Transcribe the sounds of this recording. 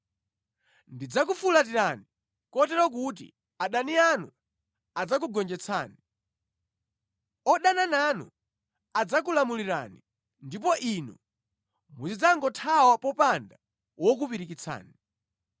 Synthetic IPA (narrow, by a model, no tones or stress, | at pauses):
ndid͡zak̬ufulat̬iɾani | kɔtɛɾɔk̬ut̬ḭ | aɗanianu | ad͡zak̬uɡɔnd͡ʒɛt͡sʰa̰ːni | ɔɗanananṵ | ad͡zak̬ulamuliɾa̰ni | ndip̬ɔʔinṵ | mut͡ʃid͡zaŋɡɔtʰawapɔpanda | wɔk̬upiɾikit͡sʰa̰ːni